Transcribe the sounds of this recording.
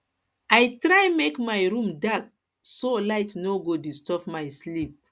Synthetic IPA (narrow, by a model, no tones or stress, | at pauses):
ajtɹajmekmajɹũmdak | solaɪtnoɡodistɔpmajslip̚